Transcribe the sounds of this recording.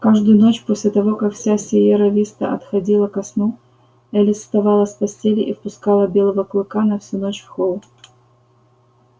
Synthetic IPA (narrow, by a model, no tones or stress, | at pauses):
kaʐd̪ʊjʊno̞t͡ɕposʲlʲɪt̪ɐvo̞kakfsʲasʲɪjeɾɐvʲist̪ə̰ɐ̰t̪xɐdʲilˠəkɐsnu | ɛlʲɪsst̪ɐvɑlˠəsʲpɐsʲtʲelʲɪʔifpʊskalˠəbʲe̞lˠəvəklˠɨkanɐfsʲunot͡ɕfxolˠ